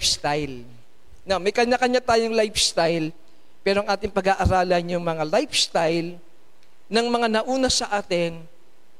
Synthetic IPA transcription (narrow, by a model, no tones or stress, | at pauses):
st̪ajl | nɐmɐjkɐɲakɐɲat̪aːjoŋlajfst̪ajl | pɛːɾoɐŋʔaːt̪ɪŋpɐɡaʔɐɾaːlɐnjʊŋmɐŋalajfst̪ajl | nɐŋmɐŋanɐʔuːnɐsɐʔaːt̪ɪn